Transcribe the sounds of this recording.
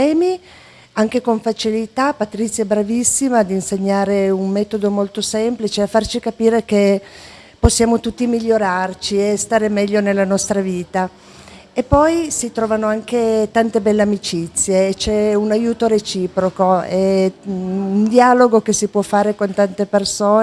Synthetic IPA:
ɛːmi | aŋk̟ekoɱfat͡ʃilit̪apat̪ɾit̪sːjabɾavisːimad̪iːnseɲːaːɾeunmɛːt̪od̪omolt̪osɛmplit͡ʃeafːart͡ʃikapiːɾeke | posːjaːmot̪ut̪ːimiʎːoɾart͡ʃiest̪aːɾemɛʎːonelːanɔst̪ɾaviːt̪a | epːɔjsit̪ɾɔːvanoaŋket̪ant̪ebɛlːeamit͡ʃit̪sːjeːt͡ʃɛunajuːt̪oɾet͡ʃiːpɾokoɛ | und̪ialoɡokesipwɔfːaːɾekont̪ant̪epersoː

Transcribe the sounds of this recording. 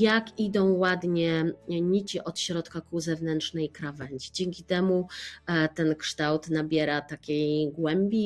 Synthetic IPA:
jakid̪ɔ̃w̃wad̪ɲɛɲit͡ɕiʔɔt̪ɕɾɔt̪kakuzɛvnɛntt͡ʂnɛjkɾavɛɲd͡ʑid͡ʑɛŋkʲit̪ɛmu | t̪ɛnkʂt̪awt̪nabʲjɛɾat̪akʲejɡwɛmbʲi

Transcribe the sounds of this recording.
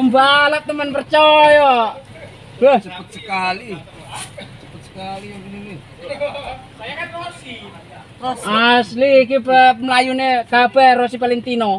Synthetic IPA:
əmbalat̪ːəmənpərt͡ʃɔja | b̥ahsəput̪̚səkali | səput̪̚sə̥kaliknili | asliːkipəməlajuneɡ̥ab̥ɛrosipalint̪ino

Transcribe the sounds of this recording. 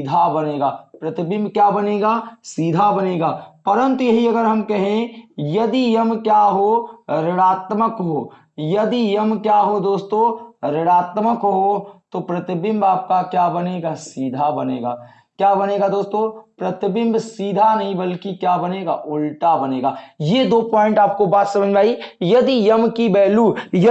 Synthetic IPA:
id̪ʱabɐneːɡaːpɾɐt̪ɪbɪ̃mbkjaːbɐneːɡaːsid̪ʱabɐneːɡaːpɐɾə̃nt̪ujɐɦiɐɡəɾɦɐmkɐɦẽjɐd̪ijɐmkjaːɦoɾɪɽaːt̪məkɦoː | jɐd̪ijɐmkjaːɦod̪oːst̪õːɾɪɽaːt̪məkɦot̪opɾɐt̪ɪbɪ̃mbaːp̚kakjaːbɐneːɡasiːd̪ʱabɐneːɡaː | kjaːbɐneːɡad̪oːst̪õːpɾɐt̪bɪ̃mbsiːd̪ʱanɐɦĩbɐlkikjaːbɐneːɡaːʔʊlʈabɐneːɡaːjed̪oːpɔːɪ̃ɳʈaːp̚kobaːt̪sɐ̃məd͡ʒʱmaːijɐd̪ijɐmkibɛːlujɐ

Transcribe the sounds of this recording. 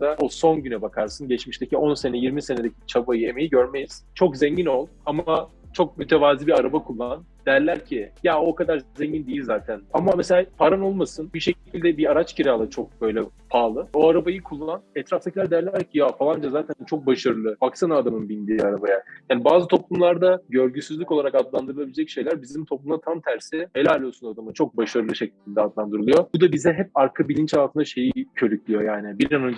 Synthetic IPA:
d̪aoso̞nɟynɛbakʰaɾsɯnɟɛt͡ʃmiʃt̪ʰecʰio̞nse̞nɛjiɾmise̞ne̞d̪ecʰit͡ʃʰabajɯe̞me̞jiɟø̞ɾme̞jiz̥t͡ʃʰo̞kzɛɲɟino̞lˠama | t͡ʃʰo̞k̚myt̪ʰevaːzibiaɾabakʰulˠːann | d̪̥æɾlʲæɾcʰijao̞kad̪aɾzeɲɟind̪eijilʲzaːt̪ʰænamameselʲaːpʰaɾano̞lˠmasɯnbiʃe̞cʰilʲd̪ɛbiaɾat͡ʃcʰiɾalˠat͡ʃʰo̞k̚bø̞jlʲɛpʰaːlˠɯo̞aɾabajɯkʰulˠːananɛt̪ɾaft̪ʰacilʲːæɾd̪ejɾlʲææɾcʰːijafalˠand͡ʒazaːt̪ʰænt͡ʃʰo̞k̚baʃaɾɯlˠɯpʰaci̥st̪ʰanad̪amɯnbinʲd̪iːaɾabajajaːnibaːzɯt̪ʰo̞plˠumlˠaɾd̪aɟø̞ɾɟysyzlʲyco̞lˠaɾakad̪lˠand̪ɯɾɯlˠabilʲɛd͡ʒɛcʃe̞jlʲæɾbizimt̪ʰo̞plˠumlˠat̪ʰamt̪ʰæɾsihelʲalʲːijosunad̪amɯnt͡ʃʰo̞k̚baʃaɾɯlˠɯʃeclʲind̪ɛad̪lˠand̪ɯɾɯlˠɯjo̞b̥ud̪abizɛɦɛp̚aɾkʰabilʲint͡ʃalˠt̪ʰɯnd̪aʃe̞jicʰø̞ɾycʰʲlʲijo̞jaːnɪbiɾanon

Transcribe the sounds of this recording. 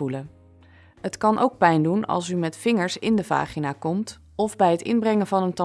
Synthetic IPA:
ulə | ɦətkɑnʔo̰wk̚pɛjndunɑ̰lˠs̬ymɛtfɪŋəɹsɪndəva̰ːχinaːkɔmt | ɔvbɛjɦətɪ̰nbrɛŋəvɑnəntɑ

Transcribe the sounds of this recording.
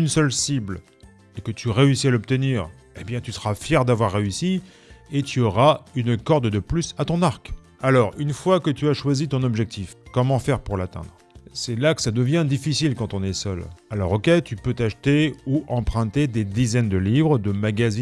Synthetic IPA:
ynsœlsibl | ekət̪ʰyʁeysialɔp̚t̪əniːʁ | ebjɛ̃t̪ysəʁafjɛʁd̪avwaʁːeysi | et̪ʰyɔʁaynkɔʁd̪d̪əplysat̪ɔ̃naʁk | alɔʁynfwakət̪yaʃwazit̪ɔ̃nɔbʒɛk̚t̪ʰifkɔmɑ̃fɛʁpuʁlat̪ɛ̰̃d̪ʁ | sɛlakə̥sad̪əvjɛ̃d̪ifisilkɑ̃t̪ɔ̃nɛsœlalɔ̰ʁokɛt̪ypøt̪aʃt̪euʔɑ̃pχɛ̃t̪ed̪ed̪izɛnd̪əlivʁəd̪əmaɡazi

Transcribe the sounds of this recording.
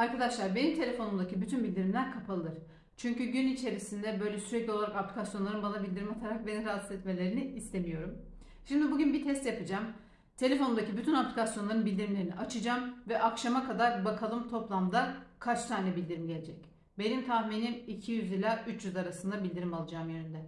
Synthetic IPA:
aɾkad̪aʃlˠaɾbe̞nimt̪ʰe̞lʲe̞fo̞numd̪acʰibyt̪ʰynbilʲd̪iɾimlʲæɾkʰapʰalˠɯɾ̥ | t͡ʃʰyɲcyɟynit͡ʃʰe̞ɾisind̪ɛbø̞jlʲɛsyɾɛclʲiolˠaɾakaplʲicasjonˠaɾɯnbanabilʲd̪iɾimat̪ʰaɾak̚be̞niɾast̪ɛt̪me̞lʲe̞ɾiniist̪ʰe̞mijo̞ɾum | ʃimd̪ibuɟynbit̪ʰɛst̪japɯd͡ʒam | t̪ʰe̞lʲe̞fo̞numd̪acʰibyt̪ʰynaplʲikasjonlˠaɾɯnbilʲd̪iɾimlʲeɾiniʔat͡ʃʰɯd͡ʒamvɛʔakʃamakʰad̪aɾbakʰalˠɯmt̪ʰo̞plˠamd̪akʰat͡ʃt̪ʰaːnʲɛbilʲd̪iɾimɟelʲed͡ʒɛc | be̞nimt̪ʰahminimicʰijyzlilʲaːʔyt͡ʃʰjyzaɾasɯnd̪abilʲd̪iɾimalˠɯd͡ʒaːmjønynd̪ɛ

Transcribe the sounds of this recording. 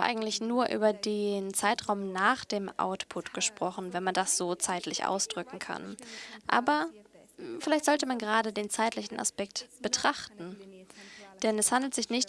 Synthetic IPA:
ʔa̰ɪɡŋ̩tlɪçnuːɐʔy̰ːbɐdeːnt͡saɪtʁ̥aʊmnaːχd̥eːmʔa̰ʊtpʰʊtɡ̥əʃpʁ̥ɔχn̩vɛnmandasz̥oːt͡saɪtlɪçʔa̰ʊsd̥ʁʏkŋ̩kʰa̰nʔa̰ːbɐ | fɪlaɪçtz̥ɔltəmanɡəʁaːdədeːnt͡saɪtlɪçn̩ʔa̰spɛk̚tb̥ətʁ̥aχtn̩ | d̥ɛnɛshandl̩tz̥ɪçnɪçt

